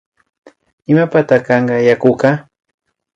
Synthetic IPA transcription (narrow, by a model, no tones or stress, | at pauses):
ɪmapat̪akɑɴɢɑjakokɑ